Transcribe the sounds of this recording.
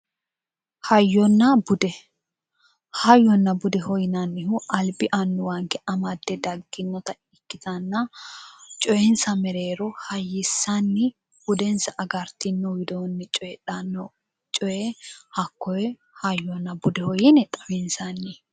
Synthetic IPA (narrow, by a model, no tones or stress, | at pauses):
hɐjːɔnːɐbʊd̪ɛ | hɐjːɔnːɐbʊd̪ɛhɔjnɐnːɪhʊʔɐlbɪʔɐnːʊwɐŋkːɛʔɐmɐd̪ːɛd̪ɐɡːɪnːɔt̪ɐ | ɪkːɪt̪ɐnːɐ | t͡ʃʼɔjɛnsɐmɛɾeːɾɔhɐjːɪsːɐnːɪ | b̥ʊd̪ɛnsɐʔɐɡɐɾt̪ɪnːɔwɪd̪oːnːɛt͡ʃʼɔjɛᶑɐnːɔ | t͡ʃʼɔjɛhɐkːɔwɛ | hɐjːɔnːɐbʊd̪ɛhɔjinɛt̪ʼɐbɛnsɐnːɪ